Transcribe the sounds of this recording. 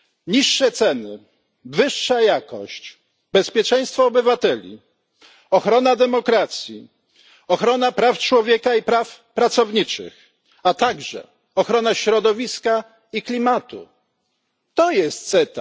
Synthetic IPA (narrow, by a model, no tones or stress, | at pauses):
ɲiʂːɛt̪sɛnɘ | vɘʂːajakɔ̰ɕt͡ɕ | bɛspʲjɛt͡ʂɛj̃st̪fɔːbɘvat̪ɛlʲḭ | ɔxɾɔnad̪ɛmɔkɾat̪sʲjḭ | ɔxɾɔnapɾaft͡ʂwɔvʲjɛkaipɾaf | pɾat̪sɔvɲit͡ʂɘ̰x | at̪aɡʐɛ̰ | ɔxɾɔnaɕɾɔd̪ɔvʲiska | iklʲimat̪ṵ | t̪ɔjɛst̪̚t̪sɛt̪a